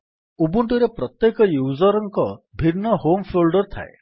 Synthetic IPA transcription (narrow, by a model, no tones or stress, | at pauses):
ubuɳʈuɾepɾɔt̪jekɔjuːzɔɾɔŋkɔbʱiɾnːɔhompʰolɖɔɾt̪ʰa̰ḛ